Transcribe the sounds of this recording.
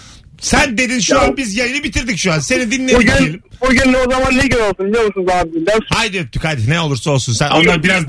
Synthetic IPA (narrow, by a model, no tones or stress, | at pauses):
sænd̪e̞d̪inʃuanbizjajinibit̪ʰiɾd̪icʃuanse̞nid̪inlːʲed̪inijelʲimbuɟynlʲozamanlʲiɡnolˠsunlʲɛomˠsunzamanbilʲd̪æɾhajd̪øt̪ʰːychad̪ineɛo̞lˠuɾsaolˠsunsænonːabiɾaz